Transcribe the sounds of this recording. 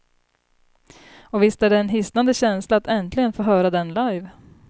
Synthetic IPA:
ɔvɪst̪æːɖɛɛnɦɪst̪nand̪əɕɛnslaːt̪ɛnt̪ʰlɪɡənfoːɦœːɾad̪ɛnlajv

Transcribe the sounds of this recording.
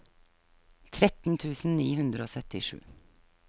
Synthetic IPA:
t̪ʰɾɛt̪n̩t̪ʰʉːsn̩niːhʉnd̪ɾəoːsœt̪ɪʃʉ̰ː

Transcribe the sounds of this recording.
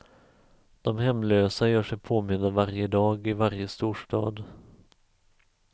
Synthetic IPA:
d̪̥ɔmhɛmːløːsajœːʂɛjpʰoːmɪnd̪əvaɾjəd̪ɑːɡɪvaɾjəst̪uːʂʈɑːd̪

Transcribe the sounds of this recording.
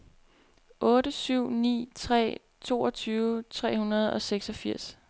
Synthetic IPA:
ʔɔ̽ːɾəsyʊ̰nḭːt͡sʰʁɛ̰ː | t͡sʰo̝ːɒt͡sʰyːʊt͡sʰʁɛ̰ːhunɐð̞ˠɒ̽seɡ̥sɒ̽fiɐ̰s

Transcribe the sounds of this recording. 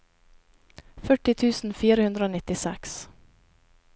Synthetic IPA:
fœʈɪt̪ʰʉːsn̩fiːɾəhʉnd̪ɾəoːnɪt̪ɪsɛks

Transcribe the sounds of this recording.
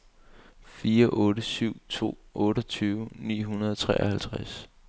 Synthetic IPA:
fiːɐʔɔ̽ːɾəsyʊ̰t͡sʰo̝̰ːʔɔ̽ːɾɒt͡sʰyːʊnḭːɦunɐðˠɒt͡sʰʁɛːɐhælt͡sʰʁas

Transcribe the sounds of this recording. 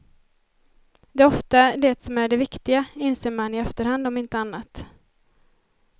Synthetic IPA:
d̪ɛːɔft̪ad̪ɛt̪sɔmæɖɛvɪkt̪ɪɡaɪnseːɾmanːɪɛft̪əɾhand̪ɔmɪnt̪əanːat̪

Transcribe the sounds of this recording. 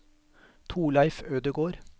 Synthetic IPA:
t̪ʰuːlæɪføːd̪əɡoːɾ

